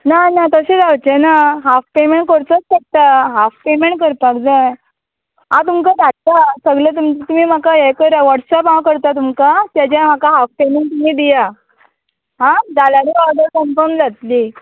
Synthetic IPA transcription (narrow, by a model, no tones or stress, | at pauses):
nanat̪əɕed͡zawt͡ɕenaɦafpemeɳʈ̚kəɾt͡sət͡skək̚t̪aɦafpemeɳʈ̚kəɾpakd͡za | at̪umkaʈ̪aʈt̪asəɡlət̪umt͡ɕt̪umiːm̤akajɛkəɾaʋaʈsapɦãwkəɾt̪at̪umkat̪jat͡ɕjãm̤akaɦafpemeɳʈ̚t̪umiːd̪ija | ɦãd̪alaɾiʋad̪əɾkəmfəɾmd͡zat̪li